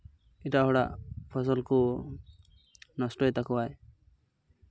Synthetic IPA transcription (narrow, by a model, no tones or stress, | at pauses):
iʈaɦɔɽaʔpʰɔs̬ɔlku | nɔsʈɔjt̪akɔwaj